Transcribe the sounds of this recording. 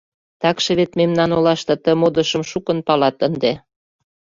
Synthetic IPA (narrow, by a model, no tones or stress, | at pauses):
t̪ɑkʃĕβet̪memnɑnolɑʃt̪ɤ̆t̪əmod̪ə̆ʃəmʃukə̆npɑlɑt̪ənd̪e